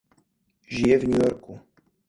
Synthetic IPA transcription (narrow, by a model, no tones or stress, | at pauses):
ʒijɛvɲujoɾku